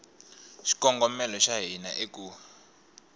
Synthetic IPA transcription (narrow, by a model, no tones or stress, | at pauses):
ʃi̥kɔŋɡɔmɛlɔʃaɦinaʔek̬ʼuː